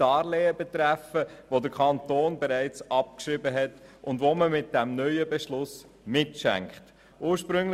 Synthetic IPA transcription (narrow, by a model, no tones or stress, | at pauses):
ɑːɾlɛːəbɛt̪ɾæfəʋod̪əɾkʰɑntoːnbɛɾæɪt͡sɑp̚kʃɾɪbəɦɛtʊndʋoməmɪt̚d̥æmnœʏəbɛʃlʊs | mɪtʃæ̰ŋkχt | uːɾʃpɾɵŋl